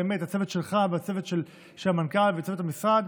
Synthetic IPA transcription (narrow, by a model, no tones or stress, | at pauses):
emet̪hat͡sevet̪ʃelχaveat͡sevet̪ʃel | ʃelamankalvet͡sevetamisʁad̪